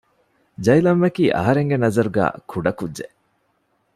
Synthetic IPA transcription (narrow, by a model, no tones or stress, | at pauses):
d͡ʒɐjlɐmːɐkiːʔɐ̰ɦɐɾeŋɡenɐzɐɾuɡæ̰ːkʰuɖɐkudd͡ʒe